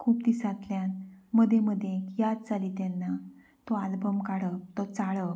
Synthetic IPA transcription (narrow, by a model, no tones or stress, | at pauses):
kʰuːpd̪isat̪ljanməd̪ʱjeməd̪ʱjẽkjat̪̚t͡saliːt̪ɛnːa | t̪ɔalbəmkaɽət̪ɔt͡saɭə